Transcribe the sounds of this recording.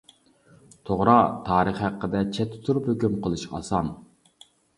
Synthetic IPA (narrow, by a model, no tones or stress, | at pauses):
t̪ʰoʁɾɑt̪ʰɑːɾəχhæqːəd̪ɛt͡ʃʰɛt̪ʰːɪ̥t̪ʰuɾuphøkʲymqʰəlˠɨʃqɑ̰sɑn